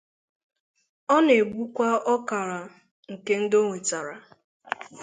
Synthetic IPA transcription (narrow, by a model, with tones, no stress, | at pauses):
ɔ˦ne˨ɡ͡bʷu˦kʷa˦ɔ˦ka˨ɾa˨ | ŋ̩˨ke˦n̩˦do˦ŋe˨t͡ʃa˨ɾa˨